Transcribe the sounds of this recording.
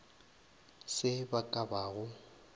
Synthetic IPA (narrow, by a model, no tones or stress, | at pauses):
sɪbakʼabaːɣʊ